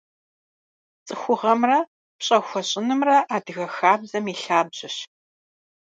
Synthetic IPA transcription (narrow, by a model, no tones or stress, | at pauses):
t͡sʼɨxʷʊʁɐmrɐ | pɕʼɐxʷɔɕʼɪnɨmrɐʔaːdɨɣɐxaːbzɐmiːɬaːbʑɪɕ